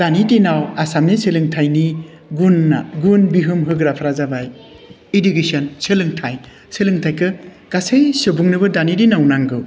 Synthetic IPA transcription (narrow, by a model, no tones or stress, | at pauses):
d̥anidinawasamniselɯŋtʰajni | ɡunːa̰ɡunbiɦɯmɦɯɡɾapʰɾazabaj | edukesɔnsɯlɯŋtʰaj | selɯŋtʰajkʰɯ | ɡ̥asejsɯbuŋnɯbɯdanidinawnaŋɡɯw